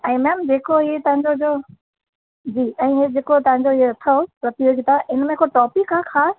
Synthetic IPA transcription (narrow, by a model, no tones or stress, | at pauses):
ɛ̃ːmɛːmd͡ʑeːkoiet̪ɐɦãɲd͡ʑod͡ʑoː | d͡ʑiːɛ̃ːed͡ʑeːkot̪ɐɦãɲd͡ʑoieɐt̪ʰaoɾɐt̪iokit̪ãʔɪnmẽkoʈɔːpɪkãxaːs